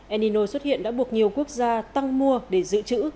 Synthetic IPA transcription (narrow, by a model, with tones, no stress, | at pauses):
ʔɛ˧ni˧no˧swə˦˥t̚hḭ˧˨ənɗa̰ː˧˥ɓu˨˩ək̚ɲi˨˩əwku˦˥ək̚zaː˧t̪a˧ŋmu˧əɗe˧˩zɨ̰˧˨t͡ɕɨ̰˧˥